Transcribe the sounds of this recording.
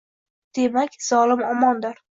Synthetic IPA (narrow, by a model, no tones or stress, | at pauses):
d̪̥e̞makʲz̥ɒlɪmɒmɒnd̪ɪɾ